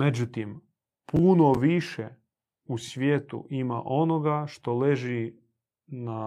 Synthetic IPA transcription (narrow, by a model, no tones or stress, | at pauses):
med͡ʑut̪im | punoʋiʃe | usʋjeːt̪ṵʔima̰ʔo̞noɡaʃt̪o̞leʒi | na